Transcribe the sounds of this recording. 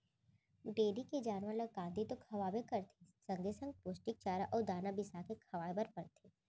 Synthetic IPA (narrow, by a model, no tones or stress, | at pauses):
ɖeːɾiked͡ʒaːnʋaləɡãːnd̪ʱit̪okʰɐʋaːbekɐɾt̪ʰisɐ̃ŋɡesə̃ŋɡ̚pʊsʈɪk̚t͡ʃaːɾaʔɔːɾd̪aːnabɪsakekʰɐʋaːebəɾpɐɾt̪ʰiː